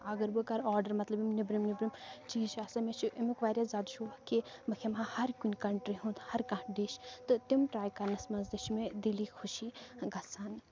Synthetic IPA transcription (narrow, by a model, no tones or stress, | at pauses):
ɐɡɐɾbɨkɐɾɔːɾɖəɾmɐt̪lɐbimnibɾimnibɾimt͡ʃiːʃaːsɐmet͡ʃʰuʔimukʋaːɾjaːzaːd̪uʃoʋakemɐkʰemãhɐɾkinʲkɐɳʈɾiɦũnt̪hɐɾkɐ̃ʈɖeʃt̪ɨt̪imʈɾaːjkɐɾnɐsmɐnzd̪iʃmẽd̪iliːxʰʊʃiːɡɐsaːn